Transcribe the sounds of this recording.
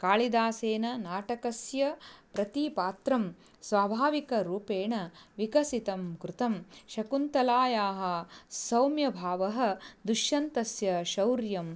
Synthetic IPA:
kaːlid̪aːseːnɐnaːʈɐkɐsjɐpɾɐt̪ipaːt̪ɾɐm | sʋaːbʱaːʋikɐɾuːpeːɳɐʋikɐsit̪ɐmkɾut̪ɐmʃɐkunt̪ɐlaːjaːɦɐsɐwmjɐbʱaːʋɐɦɐ̆d̪uʃjɐnt̪ɐsjɐʃɐwɾjɐm

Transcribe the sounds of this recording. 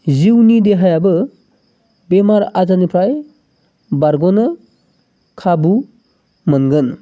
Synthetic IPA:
ziwnideɦajabɯ | bemaɾazanipʰɾaj | baɾɡɔnɯ | kʰabu | mɯnɡɯn

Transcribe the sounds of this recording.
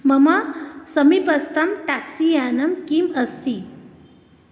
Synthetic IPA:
mɐmasəmipɐst̪ɐmʈaksianɐmkiməst̪i

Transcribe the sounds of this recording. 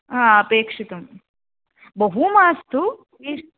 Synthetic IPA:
aːɐpeːkʂit̪ɐm | bɐɦumaːst̪u | iːʂ

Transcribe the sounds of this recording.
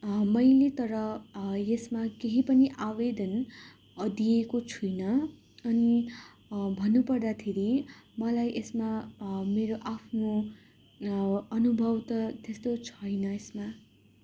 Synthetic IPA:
mʌjlet̪ʌɾʌjesmakeɦipʌniʔawed̪ʌn | d̪iekot͡sʰujnʌ | ʌni | bʱʌnːupʌrd̪at̪ʰeɾimʌlajʔesmameɾoʔapʰno | ʌnubʱʌwt̪ʌt̪est̪ot͡sʰʌjnʌesma

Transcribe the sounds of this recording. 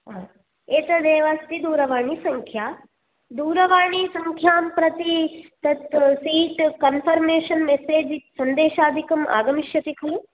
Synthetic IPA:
ɦa | eːt̪ɐd̪eːʋaːst̪id̪uːɾɐʋaːɳisɐŋkʰjaː | d̪uːɾɐʋaːɳisɐŋkʰjaːmpɾɐt̪it̪ɐt̪siːʈkɐnpʰɐɾmeːʃɐnmeseːd͡ʒsɐnd̪eːʃaːd̪ʱikɐmʔa̰ːɡɐmiʃjɐt̪ikʰɐl

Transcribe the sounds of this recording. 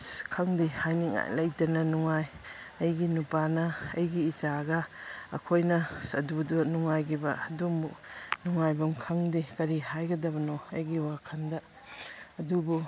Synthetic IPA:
skʰɐŋdihajniŋa̰jlɐjtɐnɐnuŋaj | ɐjɡinupanɐːjɡiːt͡ʃaɡɐɐ̰kʰojnɐsɐdudunuŋajɡibɐɐdumunuŋajbɐmkʰɐŋdikɐɾihajɡɐdɐbɐnoɐjɡiwakʰɐndɐː | dubu

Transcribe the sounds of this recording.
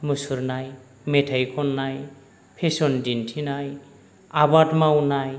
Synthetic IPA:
musuɾnaj | metʰajkʰɔnːaj | pʰesɔndintʰinaj | abatmawnaj

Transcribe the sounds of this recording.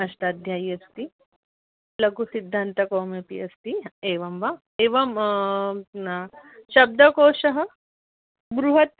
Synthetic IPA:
ɐʃʈaːd̪ʱjaːjɐst̪i | lɐɡusid̪ʱːaːnt̪ɐkoːmjɐpḭɐst̪ieːʋɐmʋa | eːʋɐm | ʃɐb̚d̪ɐkoːʃɐɦɐ̆ | bɾuɦɐt̪

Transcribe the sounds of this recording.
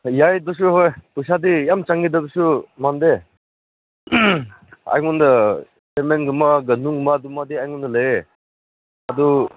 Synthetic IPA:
jajdus̬uɦojpusadijamt͡ʃaŋɡidabusumande | a̰jŋundɐ | seɾmenɡɯmaɡɐnuŋɡɯmadumadiajŋundɐlɐje | adu

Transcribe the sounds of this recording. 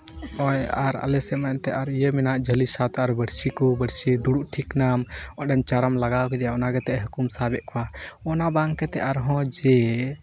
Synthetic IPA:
ɔjaɾa̰lɛsɛmajt̪ɛaɾijəminaʔd͡ʒəlisat̪aɾbəɽsikubəɽsid̪uɽuʔʈʰiknamɔɖɛmt͡ʃaɾamlaɡawkɛd̪ɛjaɔnaɡɛt̪ɛʔɦukumsabɛʔ̪kɔwaɔnabaŋkɛt̪ɛaɾɦɔ̃d͡ʒɛ

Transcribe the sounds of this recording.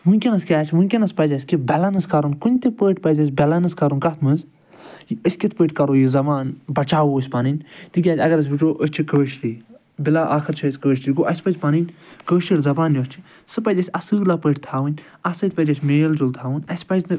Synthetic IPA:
ɦunʲkʲɐnɐskʲaːt͡ʃʰɦunʲkʲɐnɐspɐd͡ʒʲɐsʲkibʲɛlanɐskɐɾunkunʲt̪ipəːʈʲpɐd͡ʒʲɐs̬ʲbɛlanɐskɐɾunkɐt̪ʰmɨz | jiəsʲkʲit̪ʰpəːʈʲkɐɾoːjizɐmaːnbɐt͡ʃaːwoːsʲpaːninʲt̪ɨkʲaːt̪ʲɐɡɐɾɐs̬ʲbit͡ʃoːʔəst͡ʃʰikəːʃɾiː | bilaːʔaːkʰɨɾt͡ʃʰɐːsʲkəːʃɾiɡoʔɐsʲpɐd͡ʒʲpaːninʲkəːʃilʲzɐbaːnjot͡ʃʰi̥ | sɨpɐd͡ʒʲɐsʲɐsɨːlaːpəːʈ̚ʰʲt̪ʰaːʋɨnʲ | ɐsɐt̪̚ʰʲpɐd͡ʒʲɐsʰʲmeːld͡ʒult̪ʰaːʋɨnʲɐsʲpɐd͡ʒʲnɨ

